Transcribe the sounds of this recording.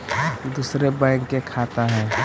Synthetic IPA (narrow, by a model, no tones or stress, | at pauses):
d̪uːsɾebaɪkkekʰat̪aɦɛ̃ː